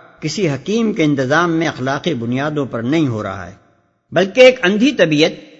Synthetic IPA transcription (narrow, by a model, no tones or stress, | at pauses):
kɪsiɦɐqiːmkeɪ̃nt̪ɪzaːmːẽɐxlaːqibʊnijaːd̪õpɐɾnɐɦĩɦo̰ɾɐ̰ɦa̰ɦɛ̰ː | bɐlkeːkɐ̃nd̪ʱit̪ɐbiːət̪̚